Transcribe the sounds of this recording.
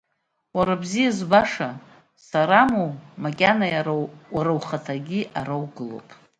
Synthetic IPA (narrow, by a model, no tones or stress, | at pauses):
waɾabzijazbaʂa | saɾamomakʲʼanajaaɾawχatʰaɡʲiʔaɾawɡɨlo̰wpʼ